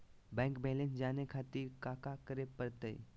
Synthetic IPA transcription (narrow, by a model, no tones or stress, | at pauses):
bɛ̃ːŋkbɛːlẽnsd͡ʒaːnekʰaːt̪iɾkaːkakəɾepəɾt̪əḭ